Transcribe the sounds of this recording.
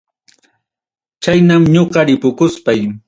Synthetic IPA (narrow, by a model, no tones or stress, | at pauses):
t͡ʃajnamɲoɢɑɾɪpʊkʊspaj